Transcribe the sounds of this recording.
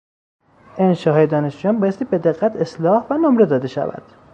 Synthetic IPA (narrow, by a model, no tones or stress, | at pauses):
enʃɒːɦɒːjed̪ɒːne̞ʃd͡ʒujɒːnbɒːjest̪iːbe̞d̪eɣːæt̪ʰeslɒːhvænomɾe̞d̪ɒːd̪e̞ʃæ̰væ̰d̪̥